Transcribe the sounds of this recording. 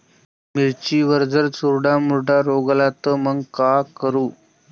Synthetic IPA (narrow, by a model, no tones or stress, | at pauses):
miɾt͡ɕiːʋəɾd͡zəɾt͡suɾɖamuɾɖaɾoɡlat̪əməɡkakəɾuː